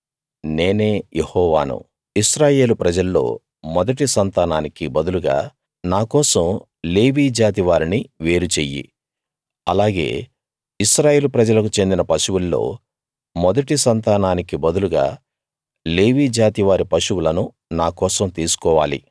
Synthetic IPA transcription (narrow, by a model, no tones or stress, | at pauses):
ne̞ːne̞ːjehɔːʋa̰ːnṵ | iʃɾaːje̞ːlupɾɐd͡ʒɐlːo̞̰ː | mɔd̪ɐʈisɐnt̪aːnaːnikibɐd̪uluɡa̰ː | naːkɔːsɐm | le̞ːʋiːd͡ʒaːt̪iʋaːɾiniʋe̞ːɾut͡ʃeːjːḭ | ɐlaːɡe̞̰ː | iʃɾaːje̞ːlupɾɐd͡ʒɐlɐkut͡ʃe̞nd̪inɐpɐʃuwulːo̞̰ː | mɔd̪ɐʈisɐnt̪aːnaːnikibɐd̪uluɡa̰ː | le̞ːʋiːd͡ʒaːt̪iʋaːɾipɐʃuwulɐnu | naːkɔːsɐmt̪iːsu̥kɔːʋa̰ːlḭ